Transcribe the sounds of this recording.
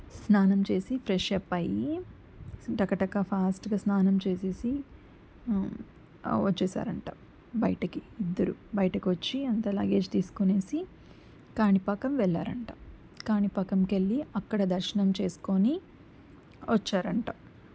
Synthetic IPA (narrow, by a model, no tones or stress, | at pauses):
snaːnɐmt͡ʃe̞ːsipʰɾɛʂɐpːɐji | ʈɐkɐʈɐkːapʰaːsʈɡaːsnaːnɐmt͡ʃe̞ːse̞ːsi | ʋɐt͡ʃːɛːsa̰ːɾɐɳʈa̰ː | bɐjʈɐkiid̪ːɐɾubɐjʈɐkiʋɐt͡ʃːiɐnt̪ɐla̰ːɡe̞ːd͡ʒt̪iːsu̥koneːsi | kaːnipɐkɐmʋɛɭːa̰ːɾɐɳʈaː | kaːnipɐkɐmkeɭːiɐkːɐɽɐd̪ɐɾʃɐnɐmt͡ʃe̞ːsu̥ko̞ni | ʋɐt͡ʃːaːɾɐɳʈa̰ː